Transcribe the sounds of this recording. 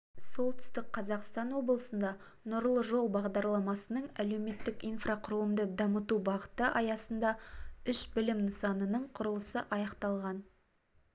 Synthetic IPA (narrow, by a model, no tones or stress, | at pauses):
so̞lˠt̪ʏ̥st̪ɪk̚qʰɑzɑqst̪ɑnwo̞blˠəsənd̪ɑ | nʊɾlˠəʒo̞lˠbɑʁd̪ɑɾlˠɑmɑsənəɴæle̞wme̞t̪ːɪkijnfraqʰʊɾləmd̪əd̪ɑmət̪ubɑʁət̪əʔɑjɑsənd̪ɑʏʃbɪlɪmnəsɑnənəɴqʰʊɾəlˠəsəʔɑjɑqt̪ɑlˠʁɑn